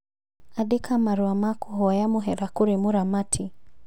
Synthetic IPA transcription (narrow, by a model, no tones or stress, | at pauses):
aɗikʰamaɾuamakuɦwajamuɦɛɾakuɾimuɾamatʰi